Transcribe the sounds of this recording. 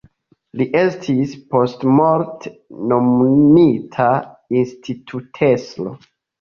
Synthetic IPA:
liʔe̞stʰispo̞stmoɾtnommitʰainstʰitʰutʰe̞slo̰

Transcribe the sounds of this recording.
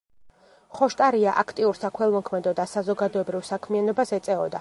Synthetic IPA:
χɔʃt̪ʼaɾiaʔakʰt̪ʼiuɾsakʰɛlˠmɔkʰmɛd̪ɔd̪asazɔɡad̪ɔɛbɾivsakʰmianɔbasɛt̪sʼɛɔd̪a

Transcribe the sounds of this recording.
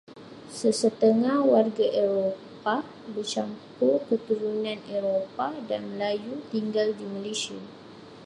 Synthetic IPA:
səsət̪əŋahwarɡaʔeɾopa | bərt͡ʃampʊrkət̪uɾunãneɾopadanmə̃lajut̪iŋɡaldimə̃lesia̰

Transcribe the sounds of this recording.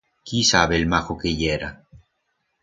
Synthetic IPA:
kisaβelmaxokeʎeɾa

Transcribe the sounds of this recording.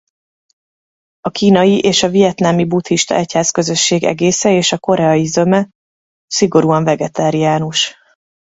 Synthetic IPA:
ɒkiːnɒjiʔeːʃɒvijɛt̪naːmibut̪hiʃt̪ɒ̰ʔɛchaːskø̞zø̞ʃːeːɡɛ̰ɡeːsɛeːʃɒko̞ɾɛɒjizømɛ | siɡo̞ɾuːɒɱvɛɡɛt̪aːɾiaːnuʃ

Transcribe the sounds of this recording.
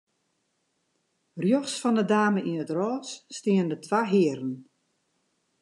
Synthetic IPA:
rjɔxsfɔndədaːməinətrɔːsːtɪːəndətʰʋaɦɪəɾən̩

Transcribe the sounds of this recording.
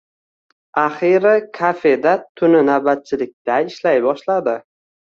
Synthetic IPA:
aχɪɾɪkʰafe̞d̪at̪ʰʊnɪnawbat̪̚t͡ʃʰɪlɪk̚ʲt̪aɪʃlajbɒʃlad̪ɪ

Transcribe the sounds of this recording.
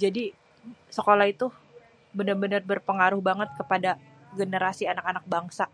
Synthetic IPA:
d͡ʒadi | səkolahit̪u | bənərbənərbərpəŋaɾʊhbaŋət̪̚kəpada | ɡənəɾasianakanak̚baŋsa

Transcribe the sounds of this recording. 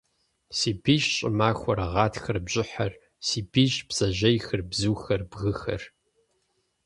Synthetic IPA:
siːbiɕʼɪmaːxʷɔɾɐʁɑːtʰxɐrbʑʼɪħɐr | siːbiːɕbz̥ɐʑɐjxɨrbzuːxɐrbɣɨxɐ̰r

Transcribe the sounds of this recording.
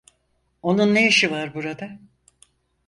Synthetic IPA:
o̞nunːejiʃivaɾbuɾad̪a

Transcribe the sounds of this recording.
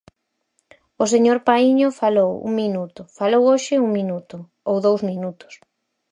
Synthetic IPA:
ʊseɲoɾpaiɲʊfalowṵŋminut̪ʊfalowoʃɪuŋminut̪ʊ | owðowzmĩnut̪ʊ̥s

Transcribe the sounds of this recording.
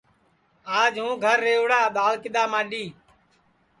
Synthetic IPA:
aːd͡ʒɦũːɡʱəɾːeːʋɽaːɗ̪aːlkɪd̪aːmãːɗiː

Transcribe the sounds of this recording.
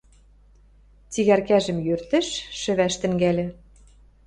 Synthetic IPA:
t͡siɣærkæʒɘ̆mjørt̪ɘ̆ʃʃɘ̆βæʃt̪ɘ̆ŋɡælʲɘ̆

